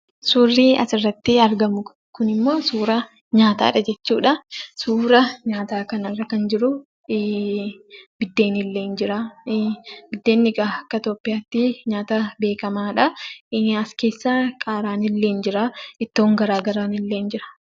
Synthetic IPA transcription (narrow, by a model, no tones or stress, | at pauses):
suːrːiːɐ̰sɪrːɐt̪ːɪɐɾɡɐmʊ | kʊnɪmːo̞ːsuːɾɐ | ɲaːt̪a̰ːᶑɐd͡ʒɛt͡ʃːuːᶑɐsuːɾɐɲaːt̪aːkɐnɐrːɐkɐnd͡ʒɪɾʊ | bɪd̪ːe̞ːnɪlːe̞ːnd͡ʒɪɾaː | bɪd̪ːe̞ːnːɪɡʼaɐkːɐt̪oːpːɪjaːt̪ːɪɲaːt̪ɐbe̞ːkɐmaːᶑɐ | ɐske̞ːsːaːkʼaːɾaːnɪlːe̞ːnd͡ʒɪɾaːɪt̪ːo̞ːŋɡɐɾaːɡɐɾaːnɪlːe̞ːnd͡ʒɪɾɐ̥